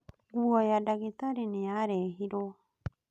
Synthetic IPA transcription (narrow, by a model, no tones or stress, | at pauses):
ɡuajadaɡet̪aɾineaɾeɦiɾo